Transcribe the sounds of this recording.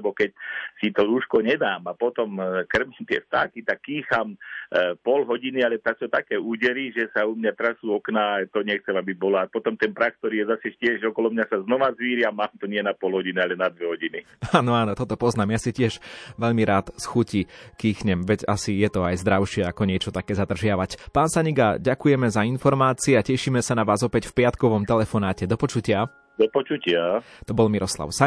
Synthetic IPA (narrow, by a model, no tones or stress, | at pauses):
bɔkɛc̚sit̪ɔɾuːʃkɔɲɛd̪aːmapɔt̪ɔmkr̩mɛmt̪ɪɛ̰ft̪a̰ːkit̪akːiːxampɔlɦɔɟinialɛt̪aksɔt̪akɛːuɟɛɾiʒɛsaumɲat̪ɾasuɔknat̪ɔɲɛxt͡sɛmabibɔlaːpɔt̪ɔmt̪ɛnpɾaxk̚t̪ɔɾiːjɛzasɛcɪɛʒɔkɔlɔmɲasaznɔʋazʋiːɾɪamaːmt̪ɔɲɪɛnapɔlɦɔɟinialɛnad̪ʋɛɦɔɟini | aːnɔaːnɔt̪ɔt̪ɔpɔznaːmjasicɪɛʒʋɛʎmiɾaːt̪sxucikiːxɲɛmʋɛɟasijɛt̪ɔajzd̪ɾaʊʃɪɛakɔɲɪɛt͡ʃɔt̪akɛːzad̪r̩ʒɪaʋacpaːnsaɲiɡaɟakujɛmɛzainfɔɾmaːt͡siɛacɛʃiːmɛsanaʋaːzɔpɛcfpɪat̪kɔʋɔmt̪ɛlɛfɔnaːcɛd̪ɔpɔt͡ʃucɪa | d̪ɔpɔt͡ʃucɪat̪ɔbɔlmiɾɔsla̰ʊsa